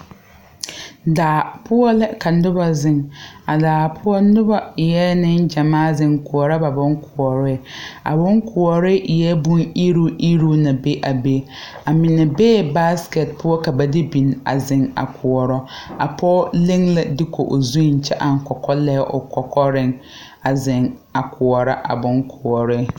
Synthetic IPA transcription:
daː˨pʊ˦ɔ˦lɪ˦ka˨nʊ˦ba˦zɪ˦ŋa˨daː˨pʰʊ˦ɔ˦nʊ˦ba˦˨jɛ˦nɪ˦nd͡ʒa˨maː˦zɪ˦ŋkʊ˨ɔ˨ɾɔ˦ba˨bʊ˦ŋ˦kʰʊ˨ɔ˨ɾɪ˦˨a̰˨bʊ˦ŋkʰʊ˨ɔ˨ɾɪ˦ʔjɛ˦bʊ˦i˦ɾo˦i˦ɾo˦na˨be˦ʔa˨be˦ | a˨mɪ˨nɛ˨beː˦˨ba˦skɛ˨t̚pʊ˦ɔ˦ka˨ba˨dɪ˦bi˨na̰˨zɪ˨ŋa̰˨kʰʊ˨ɔ˨ɾɔ˦a˨pʰɔ˦lɪ˦ŋla˨dɪ˦kʰo˨ʔo˨zu˦˨n˨t͡ʃɛ˦ʔa˨ŋ˨kɔ˨kɔ˦lɛ˦ʔʊ̰˨kɔ˨kɔ˦ɾɪ˦ŋ | a˨zɪ˨ŋ | a˨kʰʊ˨ɔ˨ɾa˦ʔa̰˨bʊ˨ŋkʰʊ˨ɔ˨ɾɪ˦˨

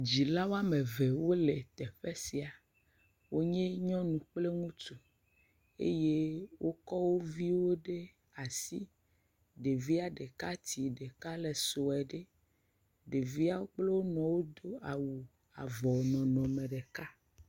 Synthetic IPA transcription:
d͡ʑi˨la˦wo˦a˦me˨ve˨wo˦le˨t̪ɛ˨ɸe˦si˨a˨ | wo˦ɲẽ˦ɲɔ̃˦nũ˨k͡ple˦ŋũ˦t̪u˨ | ḛ˦je˦wʔo˦kɔ˦wo˦vi˦wo˦ɖe˦ | a˨si˦ | ɖe˨vi˦a˨ɖe˨ka˦t̪i˨ɖe˨ka˦le˨so˨ɛ˨ɖe˦ | ɖe˨vi˦a˦wo˦k͡ple˦wo˦nɔ̃˨wo˦d̪o˦a˨wu˨ | a̰˨vɔ˨nɔ̃˨nɔ̃˨me˨ɖe˨ka˦

